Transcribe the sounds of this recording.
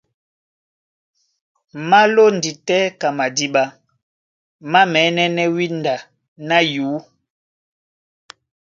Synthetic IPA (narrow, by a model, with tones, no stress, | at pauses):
ma˦lo˦n˨di˨tɛ˦ka˨ma˨di˦ɓa˦ | ma˦mɛ˨˦nɛ˦nɛ˦wi˦nda˨ | na˦juː˨˦